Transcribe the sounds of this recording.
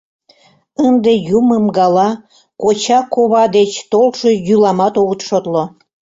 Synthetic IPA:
ənd̪ejuməmɡɑlɑ | kot͡ɕɑkoβɑd̪et͡ɕt̪olʃojylɑmɑt̪oɣət̪ʃot̪lo

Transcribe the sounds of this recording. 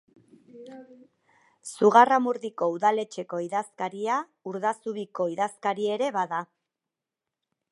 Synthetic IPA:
suɣaramuɾðiko̞uðale̞t͡ʃe̞ko̞iðaskaɾia | uɾðasuβiko̞iðaskaɾie̞ɾe̞βaða

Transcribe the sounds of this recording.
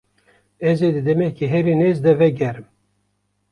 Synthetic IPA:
ɛzed̪ɨd̪ɛmɛhkiɦɛɾinezd̪ɛvɛɡɛɾɨm

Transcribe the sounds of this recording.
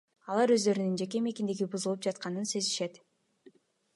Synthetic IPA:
ɑlˠɑɾø̞zd̪ø̞ɾynynd͡ʒe̞k̬e̞me̞kind̪eɡibuzulˠɯp̚d͡ʒɑt̪̚qɑnɯnse̞ziʃe̞t̪

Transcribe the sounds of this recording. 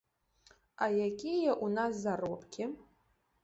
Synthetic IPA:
ajakʲʰʼijɛʔunaszarwɐpʼkʲʰɪ

